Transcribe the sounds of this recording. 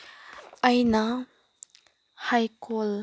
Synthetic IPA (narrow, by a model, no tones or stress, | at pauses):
ʔajna | hajkol